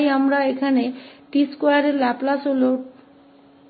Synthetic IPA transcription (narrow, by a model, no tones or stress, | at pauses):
jamɾaekʰaneʈiskajaɾeɾlɛplasoloʈ